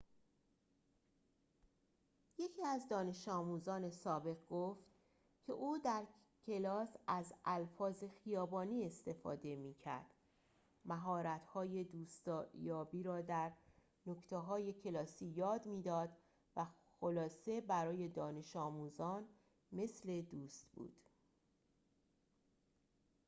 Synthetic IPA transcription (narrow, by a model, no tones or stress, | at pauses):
je̞cʰiːæzd̪ɒːne̞ʃɒːmuːzɒːne̞sɒːbe̞ʁɡoft̪ | cʰe̞ʔuːd̪æɾ | cʰe̞lɒːsæzælfɒːze̞xijɒːbɒːniːe̞st̪e̞fɒ̰ːd̪e̞miːcʰæ̰ɾd̪̥ | mæɦɒːɾæt̪hɒːje̞d̪uːst̪ːjɒːbiːɾɒːd̪æɾ | no̞kt̪ʰeɦɒːje̞cʰe̞lɒːsiːjɒːd̪miːd̪ɒːd̪ | væ | xolɒːse̞bæɾɒːje̞d̪ɒːne̞ʃɒːmuːzɒːn | me̞sle̞d̪uːst̪b̥ṵːd̪̥